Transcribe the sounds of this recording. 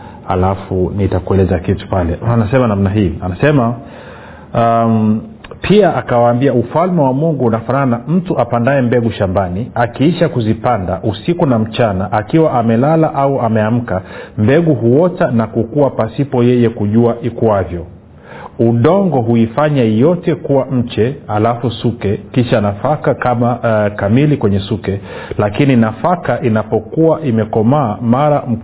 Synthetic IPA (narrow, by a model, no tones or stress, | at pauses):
ha̰lafunitakuɛlɛzakitu̥palɛanasɛmanamnaɦiːanasɛma | pʰiaʔakawaːmbiaufalmɛwamuŋɡuunafananam̩tuʔapandaɛmbɛɡuʃambaniakiiʃakuzipandaʔusikunam̩t͡ʃanaʔakiwaʔamɛlalaʔauamɛam̩kambɛɠuɦuɔtanakukuapasipɔjɛjɛkuʄuaʔikwavjɔ | uɗɔŋɡɔɦuifaɲajɔtɛkuwam̩t͡ʃɛhalafusukɛkiʃanafakakamakamilikwɛɲɛsukɛlakininafakaʔinapɔkuaʔimɛkɔmaːmaɾam̩